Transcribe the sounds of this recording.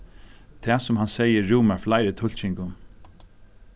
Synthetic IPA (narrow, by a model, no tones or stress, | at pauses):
t̪ʰɛːsʊmɦansɛjəːuːmaɹflaɪɾət̪ʰʊl̥t͡ʃɪŋkʊn